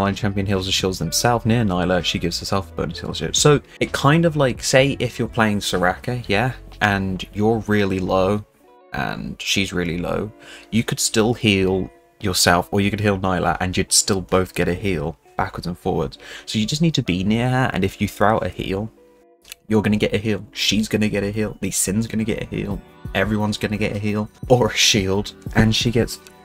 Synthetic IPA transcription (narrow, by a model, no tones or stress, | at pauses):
lãɪ̃nt͡ʃʰæ̃mpiɨ̃nɦɪlˠzə̃nʃɪlˠzðə̃msɛlˠfnɪənaɪlˠəʃiɡɪvz̥hə˞sɛlˠfəb̥ə̰̃ʊnəsɪ̰lˠʃɪ̰psoʊ | ɨt̚kʰãɪ̃ndʌvlaɪkseɪʔɪfjə˞pʰl̥eɪɪ̃ŋsə˞akəjæʔə̃njə˞ɹɪlˠiloʊ | ʔə̰̃nʃizɹɪlˠilo̰ʊjɨkʰɨd̥stɪlˠhiːlˠ | jə˞sɛlˠfə˞jɨkɨd̚ɦilˠnaɪlˠʔə̰ʔə̰̃njɨd̥stɪlˠboʊθɡ̥ɛɾɨɦiːlˠ | b̥akwə˞dzə̃nfɔ̰ːɹwə̰dz̥soʊjɨd͡ʒʌs̬nid̚tʰɨbinɪəɹə˞ʔə̰̃nɨfjɨθɹoaʊɾə̰hḭlˠ | jə˞ɡʌnɨɡɛɾɨɦiːlˠʃizɡʌnɨɡɛɾɨɦilˠðɨsɪ̃nzɡʌnɨɡɛ̰ɾɨ̰hḭːlˠ | ʔɛvɹiwʌ̃nzɡʌnɨɡɛɾɨɦilˠəɹəʃiːlˠd̥ʔɨ̃nʃiɡɛts